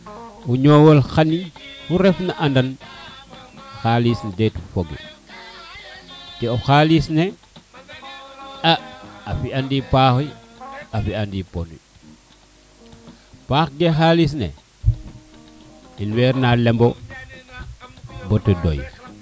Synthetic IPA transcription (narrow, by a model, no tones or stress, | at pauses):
uɲoːwɔlxanifuɾɛfnaʔandɐn | xalisnɛdɛtfoɡḭ | tɛɔxaːlisne | aːfiandipaːxi | afiandiponḭ | paːxɡexaːlis̬nḛ | inwɛːɾnalɛmbo | bɔtədo̰j